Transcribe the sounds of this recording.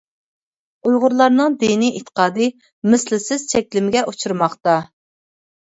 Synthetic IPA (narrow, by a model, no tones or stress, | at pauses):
ujʁʊɾlˠɑɾnɨŋd̪eniʔet̪ʰːə̥qɑːd̪ɨ | mɪslɪsɪz̥t͡ʃʰɛkʲlɪmɪɡʲɛʔut͡ʃʰuɾmɑχt̪ɑ